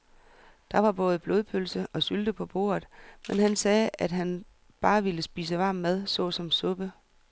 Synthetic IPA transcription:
d̥ɑ̈ʋɑ̈b̥ɔ̽ːð̞̩ˠb̥lo̝ːðˠpʰølsəʔɒ̽syld̥əpʰɒ̽b̥o̝̰ːɐð̩ˠmenɦænsɛːæd̥ɦæn | b̥ɑ̈ːʋiləsb̥iːs̬əʋɑ̈ːmːæð̞ˠsɔ̽ːsɒ̽msɔ̽b̥ə

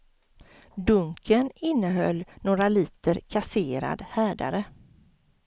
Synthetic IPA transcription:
d̪ɵŋkʰənɪnːəɦœ̰lːnoːɡɾaliːt̪əɾkʰaseːɾa̰d̪hæːɖa̰ɾə

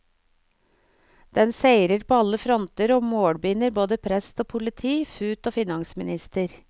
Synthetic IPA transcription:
d̪̥ɛnseɪɾəɾpʰoːɑlːəfɾɔnt̪əɾɔmoːɽbiːnəɾboːd̪əpʰɾɛst̪oːpʰʊlɪt̪ʰiːfʉːt̪oːfɪnɑŋsmɪnɪst̪əɾ

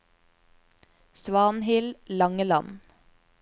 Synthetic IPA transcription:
sʋɑːnhɪllɑŋəlɑn

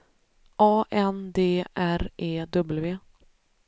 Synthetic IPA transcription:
ʔɑːʔɛnd̪eːʔæɾʔeːd̪ɵbəlveː

